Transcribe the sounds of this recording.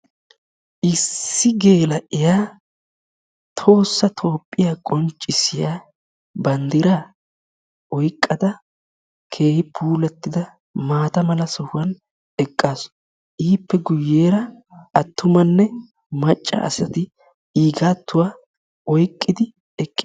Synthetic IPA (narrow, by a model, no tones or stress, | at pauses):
ʔɪsːɪɡe̞ːlɐʔɪjaː | t̪ʰo̞ːsːɐt̪ʰo̞ːpʼːɪjaːkʼɔnt͡ʃʼːɪsɪjaː | bɐnd̪ɪɾaː | ɔjkʼːɐd̪ɐ | kʰe̞ːhɪpʰuːlɛt̪ːɪd̪ɐ | maːt̪ɐmɐlɐsɔhʊwɐn | ɛkʼːaːs | ʔiːpːɛɡʊjːeːɾɐ | ɐt̪ːʊmɐnːɛ | mɐt͡ʃʼːɐ̰ɐ̰sɐt̪ɪ | iːɡaːt̪ːʊwaː | ɔjkʼːɪd̪ɪ | ɛkʼːɪ